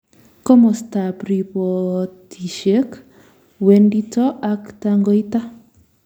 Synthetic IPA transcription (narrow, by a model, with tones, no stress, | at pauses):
ko˦mɔ˨sta˨pɾi˨pɔ˨ti˨ʃe˦k | we˨ndi˦tɔ˦ʔa˦kta˦ŋɡo˦i˦ta˦